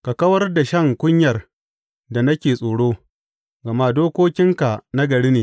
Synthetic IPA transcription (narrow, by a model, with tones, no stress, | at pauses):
ka˨kɐ˦wɐ˦rda˨ʃɐ˦˨ŋkʷʊ˦ɲjɐ˨r | da˨nɐ˦kʲeː˨sʼoː˨ɽoː˦ | ɡɐ˨ma˦doː˦kʷoː˦kʲɪ˦ŋka˨na˦ɡɐ˨ɽe˦neː˨